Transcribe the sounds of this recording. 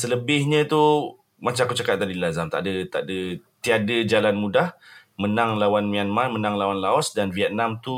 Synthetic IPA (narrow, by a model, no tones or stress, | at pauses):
sələbɪhɲə̃t̪u | mat͡ʃaakut͡ʃakat̪̚ːadilazamt̪a̰ʔdət̪a̰ʔdət̪iadəd͡ʒalanmudahmənaŋlawanmianmarmənaŋlawanlaɔsdanviɛt̪̚namt̪u